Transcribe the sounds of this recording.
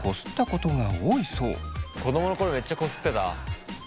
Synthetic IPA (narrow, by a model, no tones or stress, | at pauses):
kʰo̞sɨ̥t̪ːako̞t̪o̞ɡaoːiso̞̰ːko̞d̪o̞mo̞no̞ko̞ɾome̞t͡ɕːako̞sɨ̥t̪ːet̪a̰